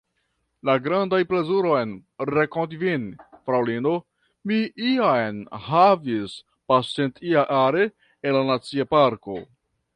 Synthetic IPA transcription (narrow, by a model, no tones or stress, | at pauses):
laɡɾandajple̞zuɾo̞jnɾekondvinfɾawlino | miʔiajnhavis | pasentiaʔaɾe | enlanat͡siapaɾko̞̰